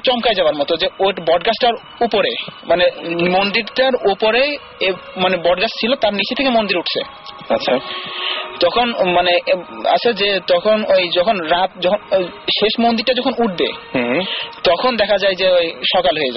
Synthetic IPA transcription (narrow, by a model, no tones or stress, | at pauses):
t͡ɕɔmkajd͡ʑaoaɾmɔt̪od͡ʑeoʈbɔɖɡasʈaɾ | upoɾemanemond̪iɾʈaɾupoɾe | manebɔɖɡast͡ɕʰilot̪aɾnit͡ɕʰet̪ʰekemond̪iɾuʈʰt͡ɕʰḛ | aɕʰa | t̪ɔkʰonmanea̰t͡ɕʰed͡ʑet̪ɔkʰonojd͡ʑɔkʰonɾat̪̚d͡ʑɔkʰonʃeʃmond̪iɾʈad͡ʑɔkʰonuʈ̚bḛ | t̪ɔkʰond̪ɛkʰad͡ʑajd͡ʑeojʃɔkalɦoed͡ʑa̰e